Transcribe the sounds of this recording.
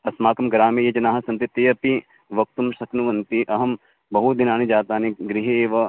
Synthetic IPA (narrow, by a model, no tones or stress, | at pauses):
ɐsmaːkɐmɡɾaːmijɐd͡ʒɐnaːɦɐsɐnt̪it̪eːɐpi | ʋɐk̚t̪umʃɐknuʋɐnt̪iʔɐɦɐm | bɐɦud̪inaːnid͡ʒaːt̪aːniɡɾiɦeeːʋɐ